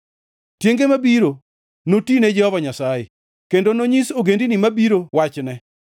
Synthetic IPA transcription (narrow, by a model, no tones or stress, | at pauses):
tjeŋɡemabiɾo | notined͡ʒɛhɔvaɲasajḛ | kendonoɲisoɡendinimabiɾowat͡ʃnɛ